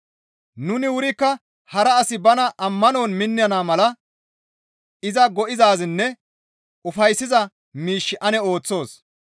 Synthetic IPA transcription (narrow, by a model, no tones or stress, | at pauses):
nʊnɪwʊɾɪkːɐ | hɐɾɐːsɪbɐnɐʔɐmːɐno̞ːnmɪnːɪjɐnaːmɐlɐ | ɪzɐɡɔʔɪzaːzɪnːɛ | ʊfɐjsːɪzɐ | miːʃːɪʔɐnɛo̞ːt͡sːo̞ːs